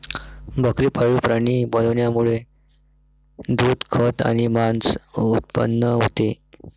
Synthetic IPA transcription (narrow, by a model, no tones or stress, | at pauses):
bʱəkɾiːpʰaɭuːpɾaɽ̃iːbəlʋnjamuɭe | d̪uːd̪kʰət̪a̰ɽ̃imant͡sut̪̚pə̰nːəɦot̪e